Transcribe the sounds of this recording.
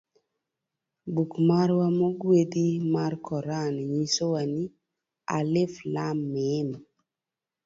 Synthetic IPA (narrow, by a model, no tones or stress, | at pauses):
bukmaɾwamoɡwed̪imarkʰɔɾanɪɲisowani | a̰lɪflamːɪn